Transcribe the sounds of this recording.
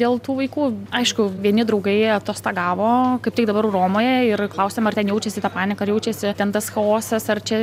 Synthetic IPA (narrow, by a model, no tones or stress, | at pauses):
dʲeːlˠt̪uːʋɐɪkuːɐɪʃkʊʋʲiɛnʲɪd̪ɾɐʊɡɐɪɐt̪oːst̪ɑːɡɑːʋoːkɐɪp̚tʲɪkd̪ɐbɐɾroːmoːjɛɪrklˠɐʊsʲeːmɐrt̪ʲɛnjɛʊt͡ʃʲɛsʲɪt̪ɑːpɑːnʲɪkɐɾjɛʊt͡ʃʲɛsʲɪt̪ʲɛnt̪ɐsxɐoːsɛsɐrt͡ʃʲɛ